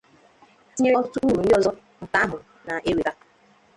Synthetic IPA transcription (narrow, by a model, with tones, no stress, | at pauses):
i˦ɲe˦ɔ˦tu˦ɾu˨n̩˦dɪ˦ɔ˨zɔ˦ | n̩˨ta˦ɦʊ˨ | na˨ʔe˦wi˨ka˦